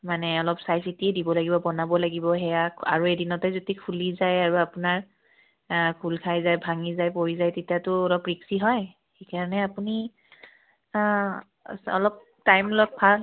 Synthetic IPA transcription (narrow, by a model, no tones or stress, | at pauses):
manɛɔlɔpsajs̬itiɛdibɔlaɡibɔbɔnabɔlaɡibɔɦɛjaka̰ɹuedinɔtɛzotikʰulizajaɹuapunaɹ | kʰulkʰajzajbʱaŋizajpoɹizajtetiatʊɔlɔpɹiksiɦɔj | xejkaɹɔnɛapuni | ɔ̰lɔp̚ | tajmlɔk̚pʰal